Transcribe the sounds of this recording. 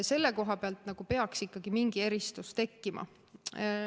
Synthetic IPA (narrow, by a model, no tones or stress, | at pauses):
se̞lːeko̞ɦɑpeɑlt̪ˑnɑɡ̥upe̞ɑksikːɑɡ̥imiŋɡ̥ie̞ɾist̪ust̪e̞kːimɑ̰